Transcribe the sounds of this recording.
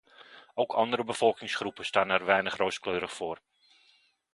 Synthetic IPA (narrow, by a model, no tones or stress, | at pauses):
owkʰɑndəɾəbəfɔlˠkɪŋsχrupəstaːnɛrʋɛjnəχrowskløːɾəχfoːr